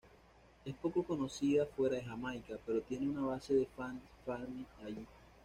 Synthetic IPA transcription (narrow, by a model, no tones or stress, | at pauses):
e̞spo̞ko̞ko̞no̞siðafwe̞ɾaðe̞xamajkape̞ɾo̞t̪je̞neunaβase̞ðe̞fansfalmiaʝi